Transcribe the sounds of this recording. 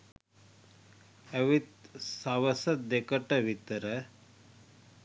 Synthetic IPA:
ɐʋit̪saʋɐsɐt̪̚d̪ekəʈɐʋit̪əɾə

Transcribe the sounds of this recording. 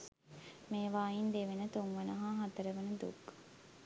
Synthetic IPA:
meːʋaːind̪eʋenət̪uŋʋənɐɦaːɦat̪əɾəʋənud̪ṵk

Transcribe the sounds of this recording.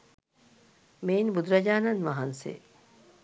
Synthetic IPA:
meːnbud̪ɾɐd͡ʒaːnanʋaɦansḛ

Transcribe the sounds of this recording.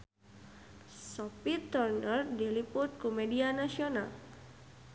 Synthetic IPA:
sɔpit̪ːɔrnərdiliput̪̚kumedianasiɔna̰l

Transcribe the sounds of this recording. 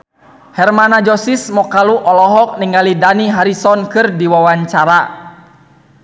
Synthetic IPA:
hɛrmanad͡ʒɔsismɔkaluʔɔlɔɦɔk̚niŋalidaniɦaɾisɔnkɨrdiwawaɲt͡ʃaɾa

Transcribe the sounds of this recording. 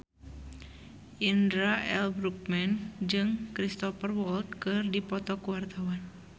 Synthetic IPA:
ʔindɾaʔɛlbɾuk̚mɛnd͡ʒɨŋkɾist̪ɔfərwɔlt̪̚kɨrdipɔt̪ɔkuwart̪awan

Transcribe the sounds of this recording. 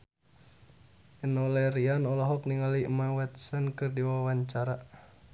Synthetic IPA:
ɛnɔlɛɾianɔlɔɦɔkniŋalimawɛt̪sɔnkɨrdiwaawaɲt͡ʃaɾa

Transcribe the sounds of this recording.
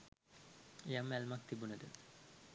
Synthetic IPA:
ejamːælmak̚t̪ibunəd̪ə

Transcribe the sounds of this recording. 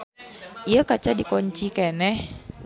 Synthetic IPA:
iakat͡ʃadikɔɲt͡ʃikɛnɛh

